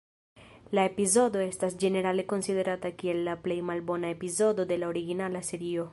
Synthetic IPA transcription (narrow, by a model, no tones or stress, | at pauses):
lae̞pizo̞do̞e̞stas̬d͡ʒe̞ne̞ɾale̞ko̞nside̞ɾatakie̞lːaple̞jmalbo̞nae̞pizo̞do̞de̞lao̞ɾiɡinalase̞ɾio̞